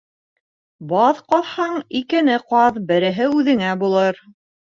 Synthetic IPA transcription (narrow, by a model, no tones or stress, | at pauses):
bɑðqɑðhɑɴikɘ̆nɘqɑðbɘ̆ɾɘ̆ɦɘʉðɘ̆ŋæbulˠɤɾ